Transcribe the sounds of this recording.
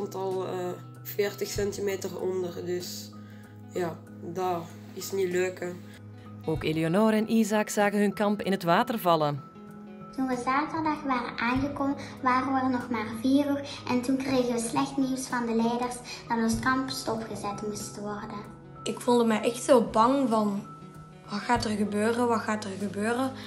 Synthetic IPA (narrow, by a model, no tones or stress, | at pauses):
ntɑlˠə | feːrtəxsɛntimeːtərɔ̰ndərdɵs | jaː | da | ɪsniløːkə | oːkelionɔːɾɛnʔizɑksaːɣənɦɵnkɑmpɪ̰nɦətʋaːtərvɑlən | tunʋəzaːtərdɑxʋaːrə̰nʔaːnɣəkoːmə | ʋaːrəʋənɔxmaːrviːruʔɛntunkrejɣənʋəslɛxtneːwsfɑndəlɛjdərsd̥ɑtɔnskɑmpstɔfχəzɛtmustəʋɔrdən | ɪkfulˠdəmɛjʔɛxtsoːlˠbɑŋvɑn | ʋɑtxaːtərɣəbøːrənʋɑtxaːtərɣəbøːrə